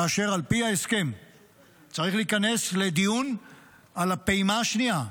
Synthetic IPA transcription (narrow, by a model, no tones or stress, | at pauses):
aːʃe̞ʁalpihae̞ske̞m | t͡saʁiχliːkane̞sle̞d̪ijun | alapeimaʃnia